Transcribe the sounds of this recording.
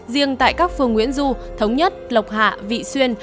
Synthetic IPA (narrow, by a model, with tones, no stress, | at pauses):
zi˧əŋt̪a̰ː˧˨jkaː˦˥k̚fɨ˧əŋːwi˧˥ənzu˧t̪ʰə˨˦wŋ͡mɲə˦˥t̚lə˨˩wk͡p̚ha̰ː˧˨vḭ˧˨swi˧ən